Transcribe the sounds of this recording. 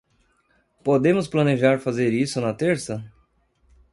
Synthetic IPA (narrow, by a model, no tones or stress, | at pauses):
pod̪ẽmʊsplɐneʒaɾfazeɾisʊnɐt̪eɾsɐ